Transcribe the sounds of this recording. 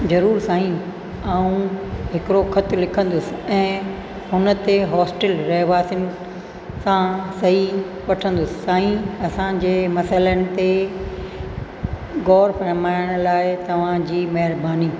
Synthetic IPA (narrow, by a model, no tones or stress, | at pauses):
zɐɾuːɾsaːɦĩ | aːũɦɪkɪɾoxʰɐt̪ʰlɪkʰə̃nd̪ʊsɪ̆ɛ̃ː | ɦʊnə̆t̪eɦɔːsʈɪlɾɛɦʋaːsʊnɪ̆ | sãsɐɦi | ʋɐʈʰə̃nd̪ʊsɪ̥ːaːɦĩɐsãd͡ʑeːmɐsələnɪ̆t̪e | ɡɔːɾfɐɾmaːɪɽ̃̆laːɪt̪ɐʋ̤ãd͡ʑiːmɐɦɪɾbaːniː